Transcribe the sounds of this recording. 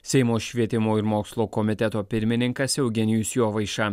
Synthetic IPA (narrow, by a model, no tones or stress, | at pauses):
sʲɛɪmoːʃʲʋʲiɛt̪ʲɪmoːɪɾmoːkslˠoːkɔmʲɪt̪ʲɛt̪oːpʲɪɾʲmʲɪnʲɪŋkɐsʲɛʊɡʲɛnʲɪjʊsʲjoːʋɐɪʃɑ